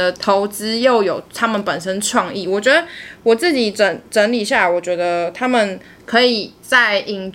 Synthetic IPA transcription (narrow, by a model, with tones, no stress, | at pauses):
ə˨t̪ʰo˧˥ʊt͡sɹ̩˦jo˥˩ʊjo˨˩ʊt̪ʰa˥mə˨npə˨˩nʂə˦nʈ͡ʂʰwɑ˥˧ŋi˥˩wɔ˨˩t͡ɕɥɛ˧˦˥d̪ə˧wɔ˨˩t͡s̩˥˩t͡ɕi˨˩˦ʈ͡ʂə˨˩nʈ͡ʂə˧˥nli˨˩ɕja˥˩wɔ˨˩t͡ɕɥɛ˧˥d̪ə˧t̪ʰa˥mə˨n | kʰɤ˧˦i˨˩t͡sa˥˩ɪʔi˨˩ŋ